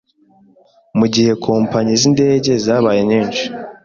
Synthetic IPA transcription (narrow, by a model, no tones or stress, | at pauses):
muɟihe̞kʰoːmpaɲizinde̞ːɟe̞zaːβajeɲiːnʃi̥